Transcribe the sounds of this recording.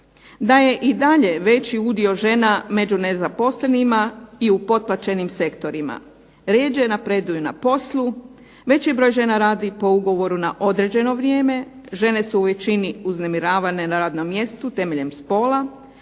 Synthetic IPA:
d̪aje̞ʔid̪aʎe̞ʋe̞t͡ɕiud̪io̞ʒe̞name̞d͡ʒune̞zapo̞sle̞nimaiupo̞t̪̚plˠat͡ɕe̞nimse̞kt̪o̞ɾima̰ | ɾeːd͡ʒenapɾe̞d̪ujuna̰po̞slˠu | ʋe̞t͡ɕibɾo̞ːjʒe̞naɾaːd̪ipo̞uɡo̞ʋo̞ɾunaʔo̞d̪ɾe̞d͡ʑe̞no̞ʋɾjeːme̞ʒe̞ne̞suːʋe̞t͡ɕiniuzne̞miɾaːʋane̞naɾaːd̪no̞mːje̞st̪ut̪e̞me̞ʎe̞mspo̞ːlˠa

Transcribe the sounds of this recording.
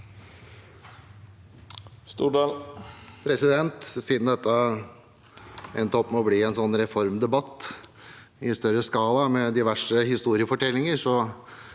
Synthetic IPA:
st̪uːɖɑːlpʰɾɛsɪd̪ɛnt̪siːd̪n̩d̪ɛt̪ːə | ɛnt̪ʰɔpːmɔbliːɛnsɔnːɾɛfɔɾmd̪ɛbɑt̪ː | ɪst̪œɾəskɑːlɑmɛd̪ɪʋæʂəhɪst̪uːɾɪəfɔʈʰɛlːɪŋəʂɔ

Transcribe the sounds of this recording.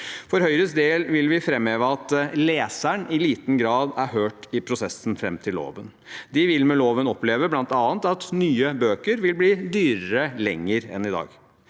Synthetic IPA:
fɔɾhœʏɾəsd̪eːlʋɪlʋɪfɾɛmeːʋəɑt̪leːsæɳɪliːt̪n̩ɡɾɑːd̪æɾhøːʈɪpʰɾʊsɛsn̩fɾɛmt̪ʰɪlo̰ːʋən | d̪ɪʋɪlmɛloːʋənɔpleːʋəblɑnt̪ɑːnt̪ɑt̪nyːəbøːkəɾʋɪlbliːd̪yːɾəɾəlɛŋːəɾɛ̰nɪd̪ɑ̰ːɡ

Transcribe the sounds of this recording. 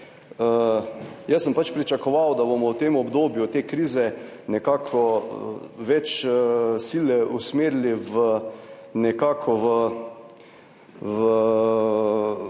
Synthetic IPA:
ə | jɛsəmpat͡ʃpɾit͡ʃakɔʋawd̪abomɔwt̪emɔbd̪oːbjut̪eːkɾiːzɛ | nɛkaːkʰɔ | ʋɛt͡ʃ | silɛʔusmeːɾiliʋə | nɛkaːkʰɔʋə | ʋə

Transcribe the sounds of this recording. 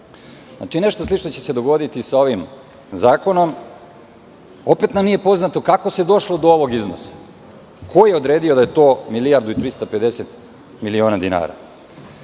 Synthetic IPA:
na̰t͡ʃine̞ʃt̪oslˠit͡ʃno̞t͡ɕese̞d̪o̞ɡo̞d̪it̪isao̞ʋim | zaːko̞no̞m | o̞pe̞t̪namnijepo̞znat̪o̞kako̞sed̪o̞ʃlo̞d̪ooʋo̞ɡizno̰sḁ | ko̞jeo̞d̪ɾe̞ːd̪io̞d̪aje̞t̪o̞ːmilijaɾd̪uit̪ɾist̪ape̞d̪e̞set̪ | milio̞ːnad̪ina̰ːɾa̰

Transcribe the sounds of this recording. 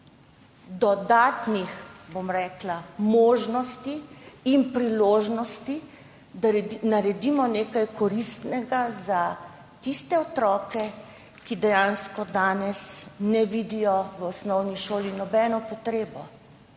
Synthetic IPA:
d̪ɔd̪aːt̪nixbomɾɛːklamoːʒnɔst̪iːmpɾiloːʒnɔst̪i | d̪anaɾɛd̪imɔneːkajkɔɾist̪nɛɡaza | t̪ist̪ɛɔt̪ɾɔːkɛ | kid̪ɛjaːnskɔd̪aːnɛsnɛʋid̪ijɔʋəɔsnɔwniʃoːlinɔbɛnɔpɔt̪ɾeːbɔ

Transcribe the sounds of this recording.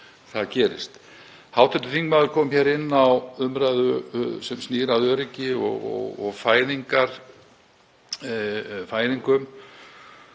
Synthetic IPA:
θaðcɛːɾɪ̰st̪ | hawt̪ʰɛnt̪ʏθiŋkmaːðʏɾkʰɔːmmçaːɾɪnːawʏmɾajðʏsɛmsniːɾaðœːɾɪcɪɔ̰ɣɔ̰ɣɔ̰ɣfaːjðiŋkaɾ̥ | faːjniŋkʏm

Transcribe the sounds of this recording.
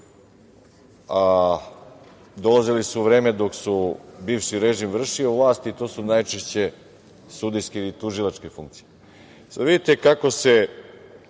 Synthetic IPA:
a | d̪o̞lˠazilisuʋɾe̞ːme̞d̪o̞ksubiːʋʃiɾe̞ʒimvr̩ʃioʋlˠaːst̪it̪o̞ːsunajt͡ʃeʃt͡ɕe̞ | sud̪ijskelit̪uʒilˠat͡ʃke̞fuŋk̚t̪sije | saaʋid̪it̪e̞kako̞se̞

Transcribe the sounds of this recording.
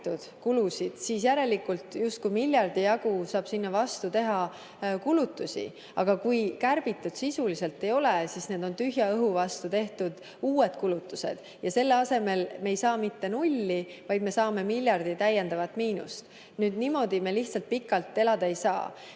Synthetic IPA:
t̪ud̪̥kulusid̪̥siːsjæɾe̞likːult̪just̪̚kujmilʲjɑrd̪̥ijɑɡ̥usɑːb̥sinːɑvɑst̪ut̪e̞ɦɑ | kulut̪ˑːusʲḭ | ɑ̰ɡ̥ɑkujkærb̥it̪ːˑud̪̥sisulise̞lt̪ːe̞jo̞lesiːsne̞ːd̪o̞nt̪yɦjɑɤɦuvɑst̪ut̪e̞ht̪ud̪̥ | uːe̞d̪̥kulut̪ːˑu̥se̞̰d̪̥ | jɑse̞lːe̞ɑse̞me̞lme̞jsɑːmit̪ːe̞nulʲːivɑjd̪me̞sɑːme̞milʲjɑrd̪̥it̪æjːe̞nd̪ɑvɑt̪miːnṵst̪ | nyːd̪nimo̞d̪imeliht̪sɑlt̪̚pikːˑɑlt̪ˑːe̞lɑd̪̥ɑe̞jsɑ̰ː

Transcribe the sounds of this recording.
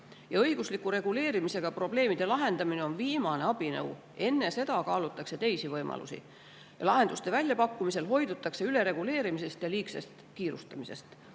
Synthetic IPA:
jɑɤjɡ̥uslikːˑuɾe̞ɡ̥ule̞ːɾimise̞ɡ̥ɑpro̞ble̞ːmid̪̥e̞lɑɦe̞nd̪ɑmine̞o̞nviːmɑne̞ɑb̥inɤ̰w | ʔe̞nːe̞se̞d̪ɑkɑːlut̪ːˑɑkse̞t̪e̞jsivɤjmʔɑ̰lṵsḭ | jɑ̰lɑɦe̞nd̪ust̪e̞vælʲjɑpɑkːumise̞lɦo̞jd̪ut̪ːˑɑkse̞yle̞ɾe̞ɡ̥ule̞ːɾimise̞st̪jɑliːkse̞st̪kiːɾust̪ɑmise̞̰st̪

